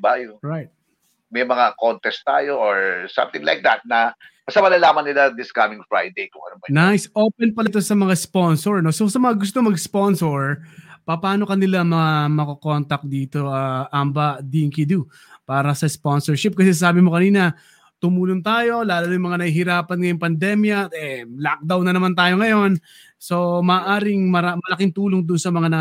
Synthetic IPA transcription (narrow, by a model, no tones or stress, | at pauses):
bajoɹajt̪̚ | mɐjmɐŋakont̪ɛst̪a̰ːjoʔoɹsɐ̰mt̪ɪŋla̰jk̚d̪ɐ̰t̪̚nɐkɐsɐmɐnɐlaːmɐnɪlad̪ɪskamɪŋfɹa̰jd̪ejkʊ̰ŋʔɐ̰nomnajsʔo̞ːpɛnpɐlt̪o̞sɐmɐŋaspo̞nsoɹno̞so̞sɐmɐŋaɡʊst̪omɐɡspo̞nsoɹpɐpaːno̞kɐnɪlaŋmɐŋamɐkɐko̞nt̪ɐk̚d̪iːt̪o̞ɐʔambɐd̪iŋkid̪u | paːɾɐsɐspo̞nsɛɹʃɪp̚kɐsɛs̬aːbɪmokɐniːnɐ | t̪ʊmuːloŋt̪aːjo̞laːlɐnojmɐŋanɐihɪɾaːpɐnŋɐjoŋpɐnd̪ɛmjɐɛlak̚d̪awnɐnɐmant̪aːjo̞ŋɐjo̞n | so̞mɐːʔaːɾɪŋmɐɾamɐlɐkɪŋt̪uːloŋd̪ʊʔnsɐmɐŋanɐ